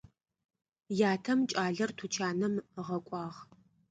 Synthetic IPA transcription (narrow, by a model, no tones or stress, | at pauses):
jaːtʰɐmt͡ʃʼaːɮɐrtʰut͡ʃʰaːnɐmʁɐkʷʼɑːʁ